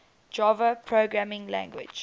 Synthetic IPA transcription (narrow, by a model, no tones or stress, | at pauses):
d͡ʒɔvəpʰɹoɡɹamɪ̃ŋlæ̰̃ŋɡwɪ̰d͡ʒ